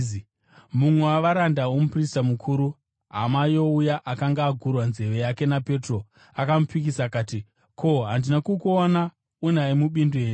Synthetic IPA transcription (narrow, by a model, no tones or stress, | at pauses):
mumwewaʋaɾandawomupristamukʰuːɾu | ɦamajo̞ujaʔakaŋɡaːɡʱurwanze̞ʋe̞jake̞nape̞tro̞ | akamupik̬isakaːti | kʰo̞ɦandinakukuona | unaimuɓindueːn